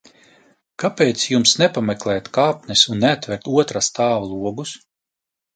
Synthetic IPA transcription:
kapeːt̪sjumsnɛpamɛklˠɛːt̪kaːpnʲɛsunːɛat̪vɛɾt̪uɔt̪ɾast̪ʰaːvalˠuɔɡus

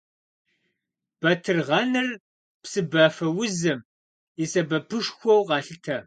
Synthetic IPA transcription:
b̥ɐtʰɨrʁɐnɐr | psɨbɐːfɐwʊzɨm | isɐbɐpʰɨʂxʷɔwqɑːɬɨtʰɐ

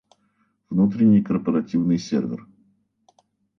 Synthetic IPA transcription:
vnut̪ɾʲɪnʲːɪjkərpəɾɐtʲivnɨjsʲḛrvʲɪ̰r

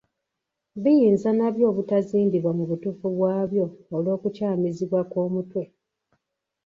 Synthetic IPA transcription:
βijiːnzanaβjo̞ːβutaziːndiβwamuβutuːfuβwaːβjo̞ːlo̞ːkucaːmiziβwakoːmutwe̞

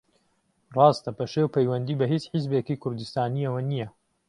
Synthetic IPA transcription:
rˤɑːst̪ɐpʰɐʃewpʰɐjwɐnd̪iːbɐɦit͡ʃħizbeːkikʰʊɾd̪ɨst̪aːniɐwɐnijɐ

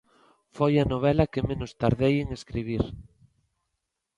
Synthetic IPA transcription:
fojɐnoβ̞ɛlɐkɪmẽnʊst̪aɾðejeŋeskɾiβ̞iɾ

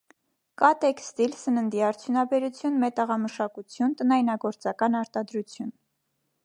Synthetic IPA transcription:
kɑt̪ɛkst̪ilsənənd̪iɑɾt͡sʰjunɑbɛɾut͡sʰjunmɛt̪əʁɑməʃɑkut͡sʰjunt̪ənɑjnɑɡɔɾt͡sɑkɑnɑɾt̪ɑd̪ɾut͡sʰjun

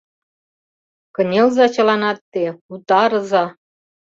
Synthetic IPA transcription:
kə̆nʲelzɑt͡ɕɤ̆lɑnɑt̪ːeut̪ɑɾɤ̆zɑ

